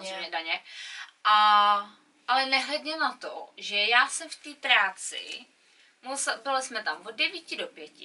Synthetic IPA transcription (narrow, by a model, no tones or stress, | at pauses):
zeɲɛdaɲɛʔa | ʔalɛnɛɦlɛdɲɛnat̪o̰ʒɛjaːsɛmft̪iːpɾaːt͡sɪ̰ | musbɪlɪsmɛt̪amvoddɛviːcɪdopjɛcɪ